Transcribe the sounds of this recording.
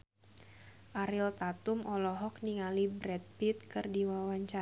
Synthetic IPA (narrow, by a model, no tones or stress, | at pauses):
ʔaɾɪlt̪at̪umʔɔlɔɦɔk̚niŋalibɾɛt̪̚pit̪̚kɨrdiwawaɲt͡ʃa